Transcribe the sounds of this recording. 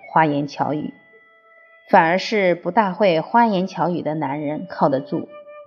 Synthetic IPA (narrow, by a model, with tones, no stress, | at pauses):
xwa˥jɛ˧˥nt͡ɕʰjɑ˧˥ʊy̰˨˩˦ | fa˨˩nə˞˧˥ʂɻ̩˥˩pu˧˥t̪a˥˧xwe˥˩ɪxwa˥jɛ˧˥nt͡ɕʰjɑ˧˥ʊy˨˩d̪ə˦na˧˥nɻə˧˥nkʰɑ˥˩ʊdə˩t͡sṵ˥˩